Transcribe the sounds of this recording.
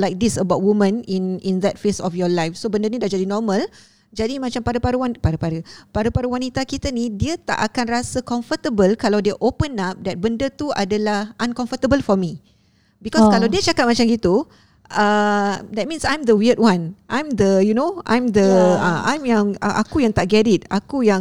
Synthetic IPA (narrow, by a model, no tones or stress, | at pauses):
lajk̚d̪isəbaʊt̚wumə̃nĩnĩnd̪ɛt̚fesɔfjɔlajfsobəndənĩdahd͡ʒadinɔmə̃l | d͡ʒadimãt͡ʃampaɾəpaɾəwanpaɾəpaɾəpaɾəpaɾəwanit̪akit̪ənidiət̪a̰ʔakanrasəkɔ̃ɱfət̪əbəlkalawdiəʔopənap̚d̪ɛt̪̚bəndət̪ua̰dalahʔãnkɔ̃ɱfət̪əbəlfɔmi | bikɔskalawdiət͡ʃakat̚mat͡ʃamɡit̪u | ʔədɛt̚mĩnsãjmd̪əwiəd̚wãnʔãjmd̪əjunoã̰jmd̪əəʔã̰jmjãŋəʔakujãŋt̪aʔɡɛɾɪt̚akujãŋ